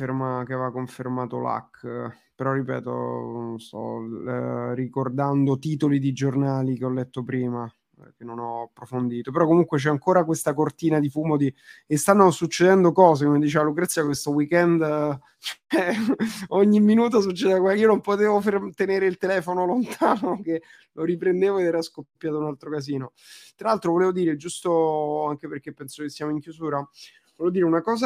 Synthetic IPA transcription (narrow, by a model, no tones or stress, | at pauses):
fermak̟evakːoɱfermaːt̪o̰la̰kː | peɾɔrːipɛ̰ːt̪o̰nst̪ɔ̰ | rikord̪and̪ot̪iːt̪olid̪id͡ʒornaːlikeɔlːɛt̪ːopɾiːma | k̟enːonɔapːɾofond̪iːt̪opeɾɔkːomuŋkwet͡ʃɛaŋkoːɾakwest̪akort̪iːnad̪ifuːmod̪iest̪anːosut͡ʃːed̪ɛnd̪okɔːz̬ekomed̪it͡ʃeːvalukɾat̪sjiakwest̪owikɛnd̪ | t͡ʃoɛ | oɲːimːinuːt̪̬os̬ut͡ʃːed̪eakweakiːonompot̪eːvofert̪eneːɾeilt̪elɛːfonolont̪ʰaːnoke | lʔoɾipɾend̪eːvoed̪ɛːɾaskoppːjaːt̪ounalt̪ɾokaziːnot̪ɾalalt̪ɾovoleːvod̪iːɾed͡ʒust̪oaŋk̟eperkepːɛnsokesːjaːmoiŋkjuzuːɾa | voleːvod̪iːɾeunakɔːza